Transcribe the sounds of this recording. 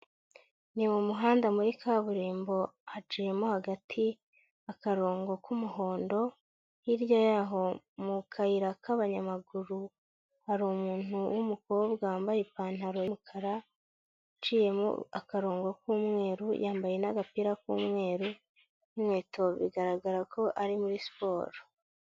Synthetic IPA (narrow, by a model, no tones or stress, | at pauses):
nimumuɦaːndamuɾikʰaβuɾiːmbo̞hat͡ʃiːje̞mohaɡatʰi | akaɾo̞ːŋɡo̞kumuɦo̞ːndo̞ | hiɾjojaːɦo̞ | mukʰaiɾakʰaβaɲamaɡuɾu | haɾuːmuːnuwumuko̞ːbɡaːmbajepaːn̥aɾo̞mukʰaɾa | t͡ʃiːje̞mo̰akaɾo̞ːŋɡo̞kuːmŋe̞ːɾṵjʔaːmbaje̞naɡapiːɾakṵːmŋe̞ːɾu | imŋe̞ːtʰo̞βḭɡaɾaɡaɾakʰo̞ʔaɾimuɾispo̞ːɾo